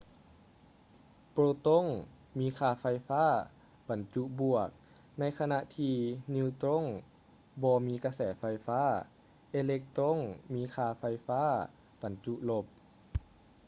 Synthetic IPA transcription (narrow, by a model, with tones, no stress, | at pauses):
pɾoː˧t̪o˧˥˨ŋ | miː˧˥˨kʰaː˧˩fa˧jfaː˥˨ | b̥a˨˩nt͡ɕu˧ʔbu˨˩ək̚ | na˧˥jkʰa˧na˧ʔt̪ʰiː˧niː˧t̪ɾo˧˥˨ŋ | bɔː˧miː˧˥ka˧sɛː˧˩fa˧jfaː˧˥˨ | ʔe˧le˧k̚t̪ɾo˧˥˨ŋmiː˧˥˨kʰaː˧˩fa˧jfaː˧˥˨ | b̥a˨˩nt͡ɕu˧˦ʔlo˧p̚